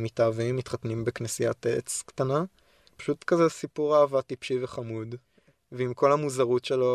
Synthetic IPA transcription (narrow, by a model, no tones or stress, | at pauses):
mitaːvimːit̪χat̪nimbeknesijat̪ḛt͡skt̪ana | pḁʃut̪kazesipuʁaːvat̪ipʃiveχamud̪ | veimko̞lhamuzaʁutʃelo